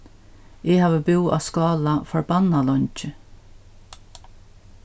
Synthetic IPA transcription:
ɪhaːvəbɪwa̰skɑːlafɔɹbanalɔɲt͡ʃɪ

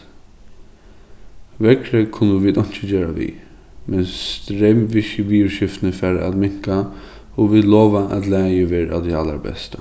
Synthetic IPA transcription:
ʋɛkɾɛkʰʊnːəʋiːd̪ɔn̥t͡ʃəd͡ʒeːɹa̰ʋḭː | mɛnst̪ɾɛːmʋɪʃəbiːʊɹʃɪft̪nəfæɾa̰d̪mɪŋ̥ka | ɔʋiːd̪loːʋaʔat̪læːjəʋɛːɾa̰d̪ɛala̰ɾbɛ̰st̪ə

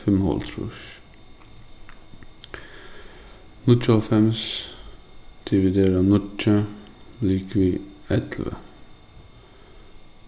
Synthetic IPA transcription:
fɪmhɔ̰lt̪ʰɾṵːʃ | nʊt͡ʃɔlfɛms | d̪̥ɪʋɪd̪eːɾənʊt͡ʃə | liːkʋiːɛt̪lʋə̰

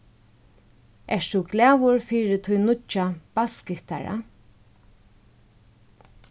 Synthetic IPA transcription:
ʔɛʂt̪uɡlɛːʋʊɹfiːɾɪt̪ʰʊjnʊt͡ʃːab̥askɪt̪a̰ɹa̰

